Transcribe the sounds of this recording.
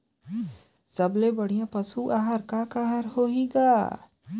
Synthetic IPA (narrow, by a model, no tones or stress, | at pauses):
səblebəɽ̤ijãpəsuʔaːɦaɾkakaɦaɾɦoɦiɡaː